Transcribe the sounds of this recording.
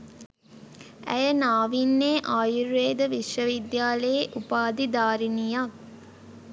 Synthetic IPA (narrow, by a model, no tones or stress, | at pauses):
æ̰jənaːʋinːeːʔaːjuɾːeːd̪əʋiʃʋɐʋid̪jaːləjeʔupaːd̪id̪aːɾinija